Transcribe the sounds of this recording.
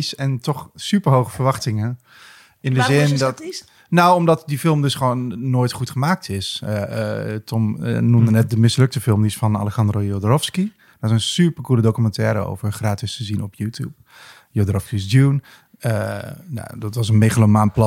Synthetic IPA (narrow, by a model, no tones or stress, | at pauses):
sɛntɔχsypəɹɦowχəfəɹʋɑχtɪŋə | ɪndəzɪndt | nawɔmdɔtdifɪlˠmdɵsχəʋonːoːjtχutχəmaːk̚tʰɪsətʰɔm̰numdənɛt̚dəmɪslɵk̚təfɪlˠmdisfɑna̰lɛksɑndrojodrɔfski | d̥ɔsɛnsypərkulədowkymɑntɛːɾəo̰wvərχraːtɪstəzinɔpjuːtʰjṵp̚ | jodrɔfskisdun | əna̰dɔtʋɔs̬ənmeχəlomanplɑ